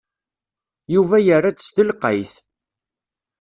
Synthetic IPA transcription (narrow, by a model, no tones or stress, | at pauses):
juvæjərːat͡sə̥st̪əlqəjθ